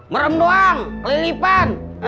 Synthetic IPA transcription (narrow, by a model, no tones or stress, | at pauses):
məɾəmdoaŋkəlilipan